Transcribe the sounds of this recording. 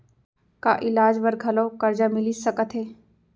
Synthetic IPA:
ka̰ːʔɪlaːd͡ʒʋəɾɡʱɐlõːkɐɾd͡ʒaːmɪlisəkət̪ʰɦeː

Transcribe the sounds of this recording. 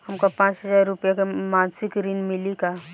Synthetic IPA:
həmkapãːt͡ʃɦəzaːɾːʊpjakemãnsɪkɾinmɪlika

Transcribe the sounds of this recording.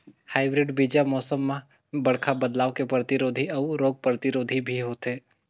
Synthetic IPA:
haːɪbɾɪɖbiːd͡ʒamɔːsəmːã | bɐɽ̤kʰabəd̪laːʋkepɾət̪ɪɾoːd̪ʱiɔːɾoːɡ̚pɾət̪ɪɾoːd̪ʱibʱiɦoːt̪eː

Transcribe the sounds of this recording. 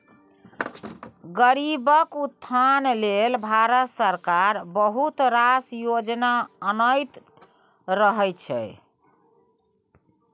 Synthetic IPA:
ɡəɾibəkut̪ʰːanlelbʱaɾət̪səɾkaɾbəɦut̪ɾasjod͡ʒnaənəjt̪ | ɾəɦɛjt͡ʃʰɛ̰

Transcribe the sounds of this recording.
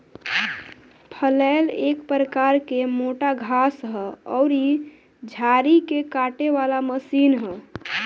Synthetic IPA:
pʰəlaɪlekpɾəkaɾkemoʈaɡʱasɦəɔʊɾi | d͡ʒʱaɾikekaʈeʋalaməsinɦə

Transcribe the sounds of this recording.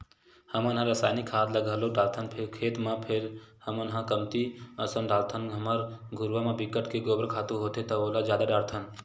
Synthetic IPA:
həmənɦãɾəsaːnikʰaːd̪ləɡʱəloɖaːlt̪ʰənpʰekʰeːt̪mãpʰeɾhəmənɦãkəmt̪iəsənɖaːlt̪ʰənɦəməɾɡʱʊɾʋamãbikəʈkeɡoːbəɾkʰaːt̪uɦoːt̪et̪ɐolad͡ʒjaːd̪aɖaːɾt̪ʰən

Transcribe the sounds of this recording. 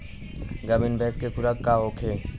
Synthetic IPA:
ɡɐbinbʱɛːskekʊɾəkːaɦoːkʰe

